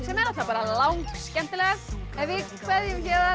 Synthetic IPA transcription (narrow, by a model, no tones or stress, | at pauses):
sɛmɛɾaθapaːɾalawŋkscɛm̥t̪ɪlɛɣaðɛvɪkʰvɛðjʏmcɛːð